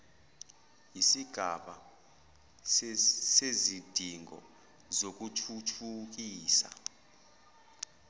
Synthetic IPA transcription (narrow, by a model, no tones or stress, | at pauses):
isiɡ̥ʱaɓa | sezid̥ʱiŋʱɔ̰ | zok̬utʰutʰuk̬iːsa̰